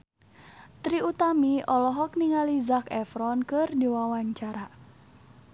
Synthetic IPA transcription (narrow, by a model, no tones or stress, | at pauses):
t̪ɾiut̪amiʔɔlɔɦɔk̚niŋalizakɛfɾɔnkɨrdiwawaɲt͡ʃaɾa